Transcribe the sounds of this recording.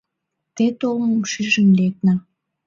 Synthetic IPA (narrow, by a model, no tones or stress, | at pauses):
t̪et̪olməmʃyʒənlek̚na